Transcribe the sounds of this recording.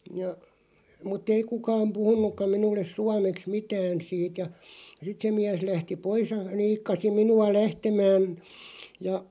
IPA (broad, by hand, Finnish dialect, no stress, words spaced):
jɑ mutˑ ei kukɑːm puhunˑukːɑm̆ minulːes suɑmeks mitæːn siːt jɑ sit se miæs læhti pois jɑ niːkːɑsi minuɑ læhtemæːn jɑ